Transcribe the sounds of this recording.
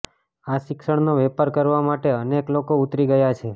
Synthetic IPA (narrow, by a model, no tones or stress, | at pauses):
aʃɪkʃəɳnoʋɛpəɾkəɾʋamaʈeəneklokout̪ɾiɡəjat͡ʃʰe